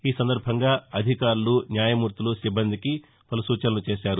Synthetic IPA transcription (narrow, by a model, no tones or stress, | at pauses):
iːsɐnd̪ɐɾbʱɐŋɡaːɐd̪ʱikaːɾulunjaːjɐmuːɾt̪ulusibːɐnd̪iki | pɐlusuːt͡ʃɐnɐlut͡ʃeːʃaːɾu